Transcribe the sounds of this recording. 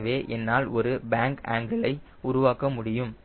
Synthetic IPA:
ʋeːʔɛnːaːlɔɾɯbaːŋkaːŋɡɐɭɐɪ | ʊɾʊʋaːkɐmʊɽɪjɯm

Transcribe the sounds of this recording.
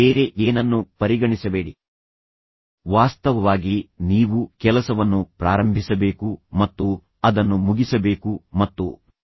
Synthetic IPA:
eːɾeʔeːnɐnːupɐɾiɡɐɳisɐbe̞ːɽi | ʋaːst̪ɐʋɐʋaːɡiniːʋukɛlɐsɐʋɐnːupɾaːɾɐmbʱisɐbe̞ːkumɐt̪ːu | ɐd̪ɐnːumuɡisɐbe̞ːkumɐt̪ːṵ

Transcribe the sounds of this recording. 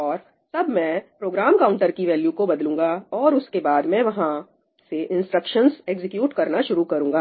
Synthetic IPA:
ɔːɾ | sɐbmɛ̃pɾoːɡɾaːmkaʊ̃ɳʈəɾkiʋɛːljukobɐd̪lũːŋɡaɔːɾʊskebaːd̪mɛ̃ʋɐɦã | seʔɪ̃nsʈɾəkʃənseːkzɪkjuːʈkɐɾnaʃʊɾukɐɾũːŋɡaː

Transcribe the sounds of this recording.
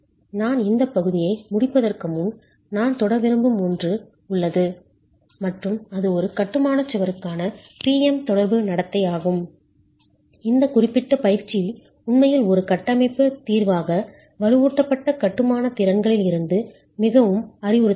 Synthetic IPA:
naːnɪnd̪ɐpːɐɣɯðɪjɐɪmʊɽɪpːɐðɐrkɐmɯm | naːnt̪ɔɽɐɾʋɪɾɯmbɯmundrɯ | ʊɭːɐðɯ | mɐʈrɯmɐðɯɔɾɯkɐʈːɯmaːnɐt͡ʃːɯʋɐɾɯkːaːnɐ | piːɛmt̪ɔɽɐɾbɯnɐɽɐt̪ːɐɪaːɣɯm | ɪnd̪ɐkʊrɪpːɪʈːɐpɐjɪɾt͡ʃːi | ʊnmɐjɪlɔɾɯkɐʈːɐmɐɪpːɯt̪iːɾʋaːɣɐ | ʋɐɻɯʋuːʈ̪ːɐpːɐʈːɐkɐʈːɯmaːnɐt̪ɪɾɐŋɡɐɭɪlɪɾɯnd̪ɯ | mɪɣɐʋɯmɐɾɪʋʊɾɯ

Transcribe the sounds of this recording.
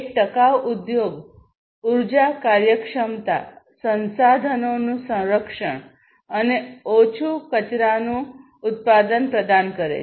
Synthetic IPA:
k̚ʈəkaʋud̪joɡ | uɾd͡ʒakaɾjəkʂəmt̪a̰ | sə̃nsad̪ʱənonũsə̃w̃ɾəkʂəɳ | əneot͡ʃʰukət͡ʃɾanũː | t̪̚pad̪ənpɾəd̪ankəɾḛ

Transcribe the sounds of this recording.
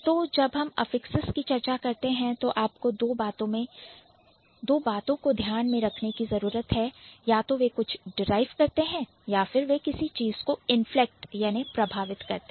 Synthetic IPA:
t̪oːd͡ʒɐbɦɐmɐ̰fɪksəskit͡ʃɐɾt͡ʃakɐɾt̪eɦɛ̃t̪oʔaːpkod̪oːbaːt̪õmẽ | d̪oːbaːt̪õkod̪ʱjaːnmẽɾɐkʰnekizɐɾuːɾət̪ɦɛjaːt̪oʋekʊt͡ʃʰɖɪɾaːɪʋkɐɾt̪eɦɛ̃ː | jaːfɪɾʋekɪsit͡ʃiːz̥koɪnflek̚ʈjaːnipɾɐbʱaːʋɪt̪kɐɾt̪e

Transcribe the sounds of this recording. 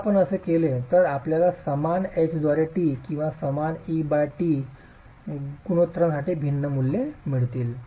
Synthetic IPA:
apəɳəsekelet̪əɾapljalasəmanet͡ɕd̪ɔɾeʈiːkĩw̃ʋasəmanibaʈiː | kuɽ̃ot̪ɾəmsaʈibʱinːəmulːemiɭt̪iːl

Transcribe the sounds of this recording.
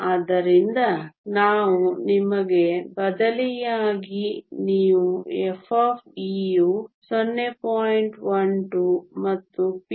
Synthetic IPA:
aːd̪ɐɾind̪ɐnaːʋunimɐɡe̞bɐd̪ɐlijaːɡiniːʋuepʰoːpʰijusɔnːepoːjiɳʈʋɐnʈumɐt̪ːup

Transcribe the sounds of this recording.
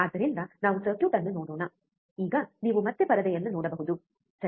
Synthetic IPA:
ɐd̪ɐɾind̪ɐnaːʋusɐːʈjuʈɐnːunoːɽoːnɐ | iːɡɐniːʋumɐt̪ːepɐɾɐd̪ɐjɐnːunoːɽɐbɐɦɯd̪u | sɐ

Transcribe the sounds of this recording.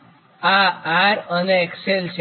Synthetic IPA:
aaɾəneekselt͡ʃʰ

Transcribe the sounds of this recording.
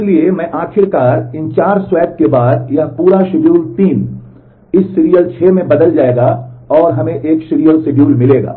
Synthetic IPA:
ɪliemɛ̃ʔaːkʰɪɾkaːɾɪ̃nt͡ʃaːɾswɛːp̚kebaːd̪jɐɦpuːɾaʃɪɖjuːlʈiːm | ɪsːɪɾijəlt͡ʃʰeːmẽbɐd̪əld͡ʒaːeːɡaɔːɾɦɐmẽʔeːkʃɪɾijəlsɪɖjuːlmɪleːɡa̰ː

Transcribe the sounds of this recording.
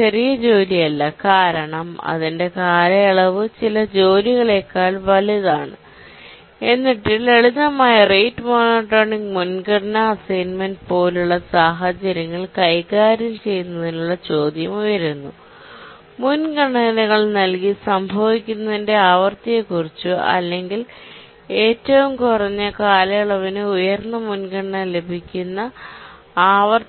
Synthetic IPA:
t͡ɕɐrijɐd͡ʑo̞ːlijɐlːɐkaːɾɐɳɐmɐ̰ðinde̞kaːɾɐɐɭɐʋɨt͡ɕilɐd͡ʑo̞ːliɣɐɭe̞kːaːlʋɐliðaːɳɨ | e̞nːiʈːileɭiðɐmaːjɐrejʈːmo̞ːnoːʈːoːɳiŋɡmunɡɐɽnɐːsɐjnmɐnɖpo̞ːluɭːɐsaːɦɐt͡ɕːɐɾɐŋːɐɭkɐjkaːɾilt͡ɕe̞jːunːɐðinuɭːɐt͡ɕo̞ːd̪jɐmujɐɾunːu | munɡɐɳɐnɐɣɐɭnɐlkisɐmbʱɐʋikʲːunːɐðinde̞aːʋɐrt̪ijekːurit͡ɕːuɐ̰lːe̞ŋɡil | e̞ːtːɐʋumkurɐɲːɨkaːlɐjɐɭɐʋɐnɨujɐrnːɐmunɡɐɽɐɳɐle̞bʱikʲːunːɐ | aːʋɐr

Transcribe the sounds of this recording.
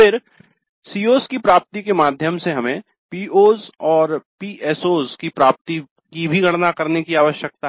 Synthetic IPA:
fɪɾ | siːoːskipɾaːp̚t̪ikemaːd̪ʱjəmseɦɐmẽ | piːoːzɔːɾpiːʔɛːsoːzkipɾaːp̚t̪i | kibʱiɡɐɽnakɐɾnekiaːʋəʃjək̚t̪aɦɛ

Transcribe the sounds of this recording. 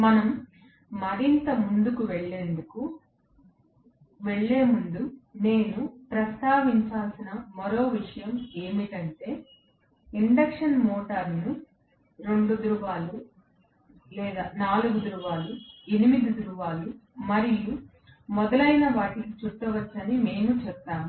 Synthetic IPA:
mɐnɐmː | ɐɾint̪ɐmund̪ukuʋeɭːe̞ːnd̪uku | ʋeɭːe̞ːmund̪une̞ːnupɾɐst̪aːʋiɲt͡ʃaːlsinɐmɐɾo̞ːʋiʂɐjɐme̞ːmikɐɳʈe̞ː | iɳɖɐkʂɐnmoːʈɐɾnu | ɾe̞ɳɖud̪ɾuʋaːlu | lɛːd̪aːnaːluɡud̪ɾuʋaːluenimid̪id̪ɾuʋaːlumɐɾiju | mɔd̪ɐlɐjnɐʋaːʈikit͡ʃuʈːɐʋɐt͡ʃːɐnime̞ːnut͡ʃɛpːaːmu

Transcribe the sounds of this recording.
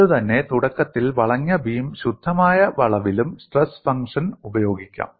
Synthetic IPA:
ɨt̪ɐnːe̞t̪uɽɐkːɐt̪ːilʋɐɭɐŋːɐbiːmɕud̪ʱːɐmaːjɐʋɐɭɐʋilumsʈresfɐŋkʂɐnubɐjo̞ːɡikʲːa̰ːm

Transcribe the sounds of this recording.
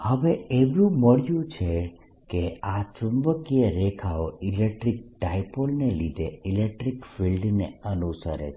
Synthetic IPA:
həʋeeʋũməɽjũt͡ʃʰe | keat͡ʃʊmbəkieɾekʰaoilekʈɾik̚ʈajpolnelid̪ʱeilek̚ʈɾikfʰilɖnḛənusə̰ɾḛt͡ʃʰ

